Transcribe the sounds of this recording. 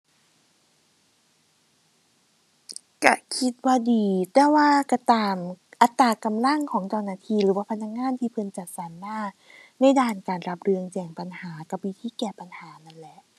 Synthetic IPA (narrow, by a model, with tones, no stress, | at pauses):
ka̰˧˩kʰi˦˥t̪̚waː˧˩diː˨˧t̪ɛː˧˩waː˧˥˩ka˧˩t̪aː˧mʔa˧t̪ːaː˧˩ka˧mla˥˩ŋkʰɔː˩˦ŋt͡ɕːwnaː˧˩t̪ʰiː˧ɾɯː˩˦waː˧˥˩pʰa˧nːa˧˥k̚ŋaː˧˥˨nt̪ʰiː˧˥˩pʰɤ˧nt͡ɕa˨˩t̪̚sa˨˦nmaː˧˥˩ | na˧˥˩jdaː˧˩nkaː˨˩nɾa˧˦˥p̚ɾɯ˧əŋt͡ɕɛː˨˩ŋpa˨nhaː˩˦ka˨˩p̚wi˦˥t̪ʰiː˧˥˩kɛː˨˩pa˨nhaː˩˦ma˧˥˨nlɛ˧˦ʔ